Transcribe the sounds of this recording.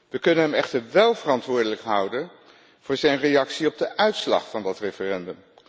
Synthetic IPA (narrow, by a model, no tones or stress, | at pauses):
ʋəkɵnənɦɛmɛχtəɹʋɛlˠvərɑntʋʊːɹdələkɦʌwdən | v̥ʊːɹzɛjnrejɑksiɔb̚dəʔœɥtslɑ̰χfɑndɑtrefərɛndəm